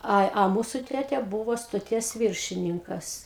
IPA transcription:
ˈɐ ɐ ˈmuːsʊ ˈtʲæːtʲɛ ˈbuːʋoː stoːˈtʲiɛs ˈʋʲɪrʲʃʲɪnʲɪŋkɐs

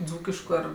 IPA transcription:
ˈd͡zuːkʲɪʃkʊ ˈɐr

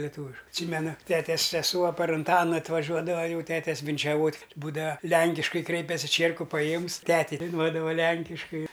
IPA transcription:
lʲɛˈtuːʋʲɪʃ ɐtʲˈsʲiːmʲɛnʊ ˈtʲæːtʲɛs sʲɛˈsuɔ pɐr ʊnˈtɑːnɐ ɐtʋɐˈʒʲuɔdɐʋɐ ˈjɛʊ ˈtʲæːtʲɛs ʋʲɪnʲt͡ʃʲɛˈʋoːtʲ ˈbuːdɐʋɐ ˈlʲæŋʲkʲɪʃkɐɪ ˈkrʲɛɪpʲɛsʲɪ ˈt͡ʃʲiɛrkʊ pɐˈjiɛmʊs ˈtʲæːtʲɛɪ dɐɪˈnuɔdɐʋɐ ˈlʲɛŋʲkʲɪʃkɐɪ

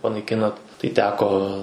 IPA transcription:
pɐnɐɪˈkʲɪnɐt tɐɪ ˈtʲæːkoː

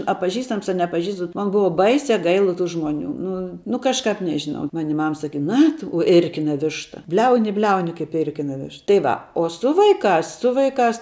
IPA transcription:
ɐ pɐˈʒʲiːstɐms ɐ nʲɛpɐˈʒʲiːstɐms bʲɛt ˈmɐn ˈbʊʊ ˈbɐɪsʲɛ ˈɡɐɪlˠɐ tuː ˈʒmuɔˌnʲuː ˈnʊ nʊ kɐʃˈkɐp ˈnʲæːʒʲɪnɐʊ ˈmɑːnʲɪ ˈmɐm sɐˈkʲiːt ˈnɐ tʊ ɪ ˈɪrʲkʲɪnɐ ˈʋʲɪʃtɐ ˈbʲlʲɛʊnʲɪ ɪ ˈbʲlʲɛʊnʲɪ kɐɪp ˈɪrʲkʲɪnɐ ˈʋʲɪʃ tɐɪ ˈʋɐ oː ˈsʊ ʋɐɪˈkɑːs ˈsʊ ʋɐɪˈkɑːs

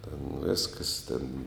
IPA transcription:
tʲɛn ˈʋʲeːskɐs tʲeːn

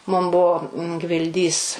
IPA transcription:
mʊm ˈbʊʋoː ɡʋʲɪlʲˈdʲiːs

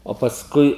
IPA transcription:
oː pɐsˈkʊɪ

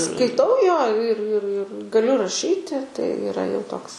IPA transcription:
skɐɪˈtɐʊ joː ɪr ɪr ɪr ɡɐˈlʲʊ rɐˈʃʲiːtʲɪ tɐɪ ɪˈrɐ jɛʊ ˈtoːks

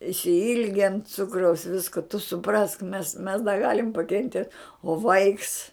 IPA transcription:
ɪʃʲsʲɪˈɪlʲɡʲɛn ˈt͡sʊkrɐʊs ˈʋʲɪskʊ tʊ sʊˈprɐsk mʲɛs mʲɛs dɐ ˈɡɑːlʲɪm pɐkʲɛnʲˈtʲiɛt oː ˈʋɐɪks

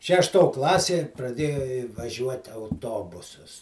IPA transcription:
ʃʲɛʃˈtoː ˈklˠɑːsʲeː prɐˈdʲeːjʊ ʋɐˈʒʲuɔtʲɪ ɐʊˈtoːbʊsɐs

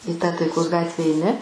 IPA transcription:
ɪ tɑː tɐɪˈkoːs ˈɡɑːtʲʋʲɛ ɛɪˈnʲɪ

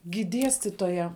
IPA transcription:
ɡʲɪ ˈdʲiɛsʲtʲɪtoːjɛ

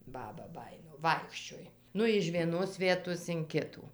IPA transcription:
ˈbɑːbɐ ˈbɑːjɪnoː ˈʋɐɪkʃʲt͡ʃʲoːj ˈnʊ ɪʃ ʋʲiɛˈnoːs ˈʋʲiɛtoːs ɪn ˈkʲɪtuː

